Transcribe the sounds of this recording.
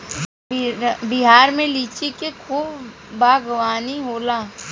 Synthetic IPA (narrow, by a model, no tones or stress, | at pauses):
bɪɦaːɾmẽliːt͡ʃikekʰuːbːaːɡʋaːniɦoːlaː